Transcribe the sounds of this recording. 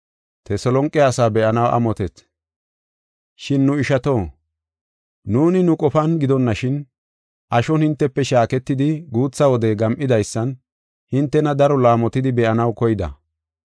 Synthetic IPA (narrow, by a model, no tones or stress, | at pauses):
t̪ɛsɔlɔŋkʼːɛaːsaːbɛʔɐnɐwʔɐ̰mɔt̪ɛt̪ | ʃɪnːʊɪʃɐt̪o̞ː | nuːnɪnʊkʼɔfɐnɡɪd̪ɔnːɐʃɪn | ʔɐʃɔnhɪnt̪ːɛpːɛʃaːkɛt̪ːɪd̪ɪɡuːt͡sːɐwɔd̪ɛɡɐmʔɪd̪ɐjsːɐn | hɪnt̪ːɛnɐd̪ɐɾɔlaːmɔt̪ɪd̪ɪbɛʔɐnɐwkɔjɪd̪ɐ̰